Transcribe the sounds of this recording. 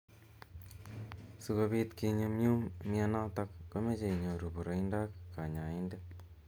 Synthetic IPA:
su˧ko˧βi˦t̪ki˧ɲo˧mɲu˦mmia˦na˦ta˦kːo˦me˦t͡ʃe˨i˨ɲo˨ɾu˨bu˨ɾo˨inda˦kːa˨ɲa˨i˦nde˦

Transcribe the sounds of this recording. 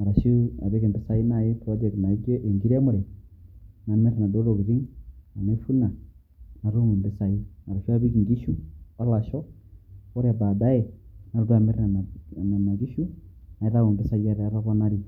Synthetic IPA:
ma˨ɾa˨ʃu˦a˨βe˦ɣe˨mbe˦sa˦i˦na˨je˦tɔ˦de˨kna˨i˦ke˦ʔe˨ŋɡi˦ɾe˦mo˦ɾe˨ | na˨me˦ɾe˨na˨do˦lo˨ɣu˨ði˦na˨ne˦fu˦na˨ | na˨ɾu˦ŋo˨mbe˦sa˨i˦ma˨ɾa˨ʃu˦a˦βi˦ki˨ŋɡi˦ʃu˦βa˦la˨ʃɔ˦ | o˦ɾja˨βa˨da˦e˨na˨ɾuɾu˦a˨me˦ɾe˦na˨na˨ma˨ɣi˦ʃu˦na˨e˦ða˦ŋo˨mbe˦sa˦ji˦a˨ɾea˦βa˦βɔ˦na˦ɾi˨

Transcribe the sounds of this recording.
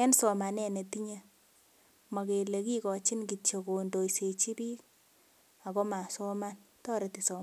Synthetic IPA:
ɛ˦nsɔ˨ma˨nɛ˦ne˨ti˦ɲe˦ | ma˨ke˨le˨ki˦kɔ˨t͡ʃi˦nki˨t͡ʃo˨ko˨ndo˨jse˨t͡ʃi˦piː˦k̚ | a˨kɔ˦ma˨sɔ˦ma˦n | tɔ˦ɾe˨ti˨sɔ˨m˦

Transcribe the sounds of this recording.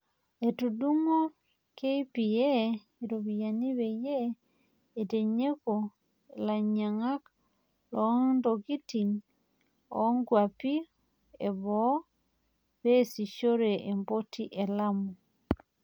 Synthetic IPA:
e˨tu˨du˦ŋo˦ | ke˦i˦pi˨je˦ | eɾo˨βija˨ni˦βe˨jeː˦˨ | te˨ɲe˦ko˨ | la˨ɲa˨ŋa˦k | lɔ˦ndo˨ɡi˦ti˨ŋ | ɔ˦ŋɡwa˨pi˦ | e˨βɔ | βe˦si˨ʃo˦ɾe˨ʔe˨mbo˦tʰi˦ʔe˨la˦mu˨

